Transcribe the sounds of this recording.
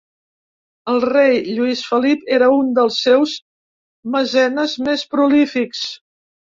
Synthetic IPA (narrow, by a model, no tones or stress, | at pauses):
əlˠrejʎuisfəlipeɾəund̪əlˠsːɛwz | məzɛnəzmespɾulifiks